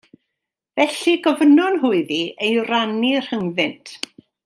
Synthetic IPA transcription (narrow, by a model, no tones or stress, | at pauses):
vɛɬiɡɔvənɔnɦʊɨðiejranir̥həŋðɪntʰ